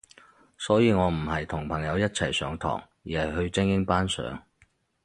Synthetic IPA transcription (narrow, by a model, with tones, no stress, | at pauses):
sɔː˨˥jiː˨˧ŋɔː˨˧m̩˨˩ɦɐ˨jt̪ʰʊ˨˩ŋpʰɐ˨˩ŋjɐ˨˧wjɐ˥t̚t͡sʰɐ˨˩jsœ̰ː˨˥ŋt̪ʰɔ̰ː˨˩ŋjiː˨hɐ˨˩jɦɵ˧ɥt͡sɪ˥ŋjɪ˥ŋpaː˥nsœ̰ː˨˥ŋ